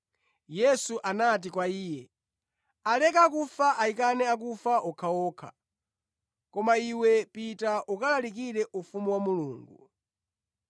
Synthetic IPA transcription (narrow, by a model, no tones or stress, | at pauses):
jɛsuʔanat̬ikwaiːjɛ | alɛkakufaʔaikanɛak̬ufaʔɔkʰaɔːkʰa̰ | kɔmaiwɛpitaʔukalalik̬iɾɛʔufumuwamuluːŋɡṵ